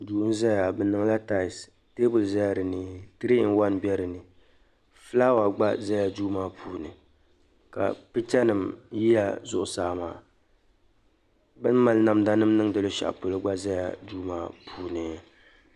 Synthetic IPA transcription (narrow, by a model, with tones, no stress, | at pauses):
duː˨hn˦za˦a˨bɨ˨nɨ˨ŋ˦la˦ta˦˨ɪ˨s | teː˦bʊ˨lza˦ja˨ɾɨ˨nɨ˦tɨ˦ɾi˦n̩˦wa˦nbɛ˦ɾɨ˨nɨ˨ | fɨ˦laː˦wa˨ɡ͡ba˦za˦ja˨duː˦maː˦pʰuː˨nɨ˨ | ka̰˨pɨ˦t͡ʃɛ˦nɨ˨mji˦ja˨zʊ˦˨ʔʊ˨saː˨ma̰ː˨ | bɨ˦n˦ma˦lna˨mda˦nɨ˦mnɨ˦ŋdɨ˨lɨ˦ʃa̰˨ʔpo˨lɨ˦ɡ͡ba˦za˦ja̰˨duː˦ma̰ː˦pʰuː˨nɨ˨